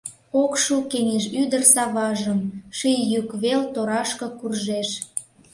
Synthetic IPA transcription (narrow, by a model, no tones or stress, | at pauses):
okʃukeneʃyd̪ərsɑβɑʒəmʃijjykβelt̪oɾɑʃkɤ̆kurʒeʃ